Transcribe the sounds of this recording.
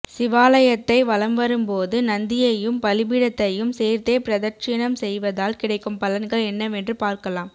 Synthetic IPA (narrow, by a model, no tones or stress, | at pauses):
sɪʋaːlɐjɐt̪ːɐɪʋɐlɐmʋɐɾɯmpoːðɯnɐnd̪ɪjɐjɯmpɐlɪbiɽɐt̪ːɐjɯmseːɾt̪ːeːpɪɾɐðɐɾt͡ʃɪnɐmsɛjʋɐðaːlkɪɽɐɪkːɯmpɐlɐnɡɐɭɛnːɐʋɛndrɯpaːɾkɐlaːm